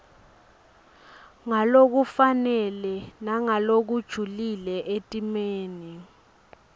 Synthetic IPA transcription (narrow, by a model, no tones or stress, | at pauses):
ŋalok̬ufanɛlɛnaŋalok̬ud̥ʒ̥ʱulilɛʔetʼimeːni